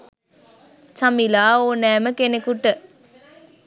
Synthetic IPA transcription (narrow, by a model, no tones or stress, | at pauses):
t͡ʃɐmilaːoːnɛːməkenekuʈːə